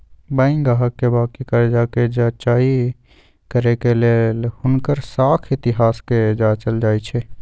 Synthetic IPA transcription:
bə̃ɪŋɡaɦəkːebaːkikəɾed͡ʒaked͡ʒat͡ʃai | kəɾekelelhʊnkəɾsaːkʰɪt̪iɦaːsked͡ʒat͡ʃəld͡ʒaːjt͡ʃʰɛ

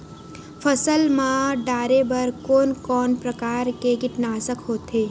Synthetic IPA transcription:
fʰəsəlmãɖaːɾebəɾkoːnkɔːnpɾəkaːɾkeɡɪʈnaːsəkɦoːt̪ɦeː

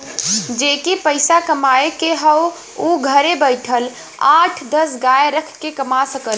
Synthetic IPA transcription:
d͡ʒekipəɪsakəmaekeɦəw | uɡʱəɾebəɪʈʰəl | aʈʰd̪əsɡaeɾəkʰkekəmasəkəl

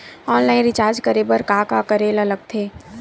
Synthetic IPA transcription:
ɔːnlaːɪ̃nɾɪt͡ʃaːɾd͡ʒkəɾebəɾkaːkakəɾeːlɐləɡ̚t̪ʰeː

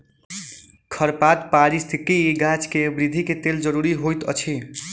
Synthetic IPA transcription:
kʰəɾpat̪paɾist̪ʰikiɡat͡ʃkebɾid̪ʱiket̪eld͡ʒəɾuɾiɦojt̪ʌ̰t͡ʃʰi

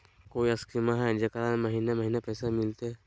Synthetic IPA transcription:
koːiɐskʰimaɦɛd͡ʒekəɾanmɐɦiːnemɐɦiːnepɛːsemɪlt̪eɦɛ

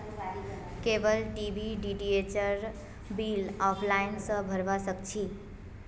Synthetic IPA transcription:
kebəlʈibʱiɖiɖiet͡ʃəɾ | bilɔpʰlajinsʌ̃bʱəɾbasəkt͡ʃʰi

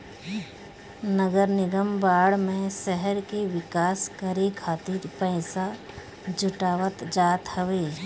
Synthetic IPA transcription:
nəɡəɾnɪɡəmbaːɽmẽsɛɦɛɾkeʋɪkaːskəɾekʰaːt̪ɪɾpɛɪsa | d͡ʒʊʈaːʋət̪d͡ʒaːt̪həʋeː

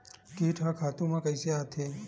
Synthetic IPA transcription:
kiʈʰãkʰat̪ũmãkəjseat̪ʰe

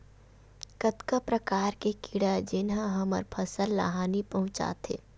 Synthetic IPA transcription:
kət̪kapɾɐkaːɾkekiɽad͡ʒɪnɦãɦɐmə̰ɾpʰɐsəlːa̰ɦaːnipɐɦʊ̃t͡ʃa̰ːt̪ʰḛː

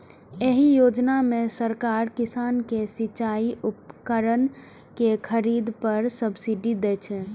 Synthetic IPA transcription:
eɦijod͡ʒnamesəɾkaɾkisankesit͡ʃaiupkəɾən | kekʰəɾid̪pəɾsəbsiɖid̪ɛt͡ʃʰɛ

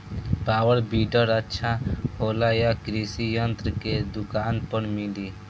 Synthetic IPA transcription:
paːwəɾbiːɖəɾətːʃʰahoːlajakɾisijənt̪ɾəked̪ʊkaːnpəɳmiliː

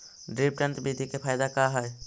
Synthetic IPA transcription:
ɖɾipʈə̃nt̪bid̪ʱikepʰajd̪akaɦɔj

